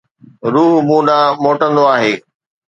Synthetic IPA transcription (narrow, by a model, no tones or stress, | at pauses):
ɾuːɦmũːɗãmoːʈə̃nd̪oaːɦeː